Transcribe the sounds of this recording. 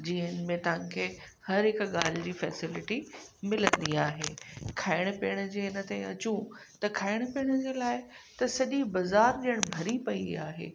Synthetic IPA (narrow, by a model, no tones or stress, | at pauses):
d͡ʑiːɦənmẽt̪ɐʋ̤ãkʰeː | hɐɾɦɪkɠaːl̤ɪd͡ʑiːfɛːsɪlɪʈimɪlə̃nd̪iaːɦḛːkʰaːɪɽ̃piːəɽ̃ʊ̆d͡ʑeːɪnə̆t̪ãĩɐt͡ɕũt̪ɐkʰaːɪɽ̃piːəɽ̃ʊd͡ʑeːlaːɪt̪ɐsɐʄibɐzaːɾɗijəɽ̃bʱɐɾipɐiaːɦḛː